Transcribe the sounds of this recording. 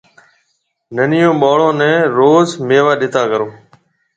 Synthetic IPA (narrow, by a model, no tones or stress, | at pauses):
nənɪjõːɓaːɭõːnɛ̃ːɾoːzmeːʋaːɗɪt̪aːkəɾoː